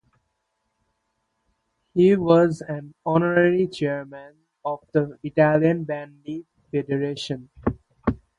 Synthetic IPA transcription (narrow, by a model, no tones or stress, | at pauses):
hiːʋɔzæ̃nɔnəɾəɾit͡ʃeːɾmə̃n | ɔʋd̪əɪʈælijə̃nbæ̃nɖi | feɖəɾeːʃə̃n